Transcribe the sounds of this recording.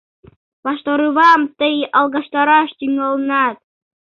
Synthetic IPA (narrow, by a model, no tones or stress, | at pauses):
bɑʃt̪oɾɯβɑmt̪ɤjɑlˠɣɑʃt̪ɑɾɑʃt̪yŋolˠɤnɑt̪̚